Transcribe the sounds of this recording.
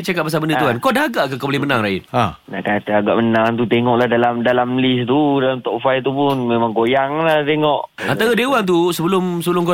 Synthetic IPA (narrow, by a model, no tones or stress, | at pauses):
t͡ʃakat̪̚bas̬abəndəuɦankodaɦaɡaʔkakabolɪmənãŋrajut̪̚ana̰ʔkant̪əaɡaʔmənãŋt̪̬ut̪eŋɔʔlahdalamdalamlist̪udalamt̪ɔpfajt̪upʊnmemãŋɡojaŋlat̪eŋɔʔ | ant̪aɾədewant̪̬usəbəlʊmsəbəlʊmko